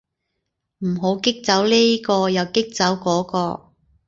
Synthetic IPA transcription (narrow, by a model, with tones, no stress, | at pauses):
m̩˨˩ɦo˨˥wkɪ˥k̚t͡sɐ˨˥wleː˥kɔː˧jɐ˨wkɪ˥k̚t͡sɐ˨˥wkɔː˨˥kɔː˧